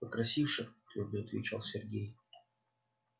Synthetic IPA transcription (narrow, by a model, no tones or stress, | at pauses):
pəkɾɐsʲifʂɨxt̪lʲubʲɪɐt̪vʲɪ̰t͡ɕa̰lˠsʲɪrɡʲej